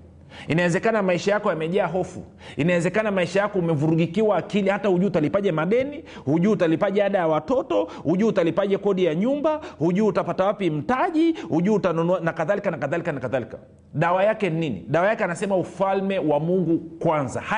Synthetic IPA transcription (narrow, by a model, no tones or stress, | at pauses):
inawɛzɛkanamaiʃajakɔjamɛʄaːɦɔfṵ | inawɛzɛkanamaiʃajakɔumɛvuɾuɡikiwaːkilihatahuʄuːtalipaʄɛmaɗɛni | huʄuːtalipaʄɛaɗajawatɔtɔhuʄuːtalipaʄɛkɔɗijaɲumbahuʄuːtapatawapim̩taʄihuʄuːtanɔnɔanakaðalikanakaðalikanakaðalika | ɗawajakɛnninḭɗawajakɛanasɛmaufalmɛwamuŋɡukwanza̰h